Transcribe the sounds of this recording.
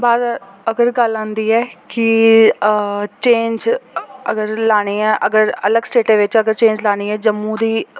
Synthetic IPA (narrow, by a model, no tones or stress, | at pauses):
baːd̪əɡəɾɡəlãːnd̪iːɛːkɪ | t͡ʃẽːɲd͡ʒəɡəɾlaːɽ̃ẽːɛːʔəɡəɾələɡsʈeːʈẽːʋɪt͡ʃəɡəɾt͡ʃẽːɲd͡ʒlaːɽ̃iːɛːd͡ʒəmːũːd̪iː